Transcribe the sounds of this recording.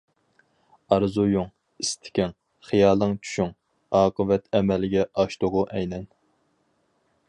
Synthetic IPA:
ɑɾzujuŋ | ist̪ʰɪ̥kʲɛŋ | χijɑːlˠɨŋt͡ʃʰy̥ʃyŋ | ɑːqəvɛt̪ɛmɛlɪɡʲɛʔɑʃt̪ʊʁʊʔɛjnɛn

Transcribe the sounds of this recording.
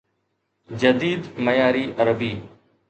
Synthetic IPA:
d͡ʒəd̪iːd̪məjaːɾiːʔəɾəbiː

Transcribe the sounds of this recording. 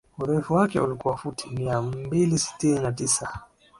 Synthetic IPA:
uɾɛɛfuwakɛ̰ulikuwafutʰimiabilisi̥tininatisa

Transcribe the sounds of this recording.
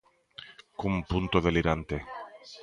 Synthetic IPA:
kumpunt̪oðeliɾant̪e

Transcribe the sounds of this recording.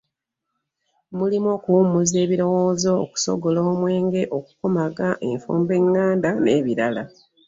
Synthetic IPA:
mulimokuːmuze̞ːβiɾo̞woːzo̰ːku̥so̞̰ɡo̞loːmwe̞ːŋɡe̞ʔo̞ku̥ko̞maɡaʔe̞ɱfuːmbe̞ŋːaːndane̞ːβiɾala

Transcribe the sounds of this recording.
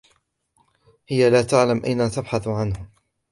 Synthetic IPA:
hɪjalaːt̪aʕlamʔa̰jnat̪abħaθʕanhʊ

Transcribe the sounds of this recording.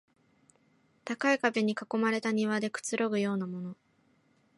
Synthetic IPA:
t̪akaikabe̞ɲ̟ikako̞maɾe̞t̪aɲ̟iβad̪e̞kɯ̟̥t͡sɨɾo̞ɡɯ̟jo̞ːnamo̞no̞

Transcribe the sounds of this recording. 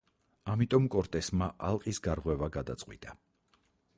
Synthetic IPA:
amit̪ʼɔmkʼɔɾt̪ʼɛsmaʔalˠqʼisɡaɾʁwɛvaɡad̪a̰t̪sʼqʼwḭt̪ʼa

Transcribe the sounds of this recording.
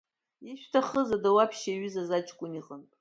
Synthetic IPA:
iʃᶣtʰaχəzadawapʰʃaɥʏzazat͡ʃʰʼkʷʼʊniqʼənpʼ

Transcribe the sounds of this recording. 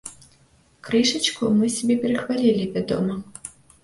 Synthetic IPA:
kɾɨʂɐt͡ʃkumɨsʲabʲɛpʲɛɾɐxvalʲilʲivʲad̪ɔ̰mɐ

